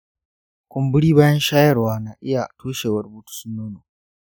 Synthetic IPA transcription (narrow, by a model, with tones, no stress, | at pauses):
kʷʊ˨mbʊ˦ɽiː˦baː˦jɐ˦nʃaː˦jɐ˦˨rwaː˦na˨ʔɪ˦ja˨tʰuː˦ʃeː˨wɐ˦˨rbuː˦tu̥˦sʊ˦nːoː˦noː˨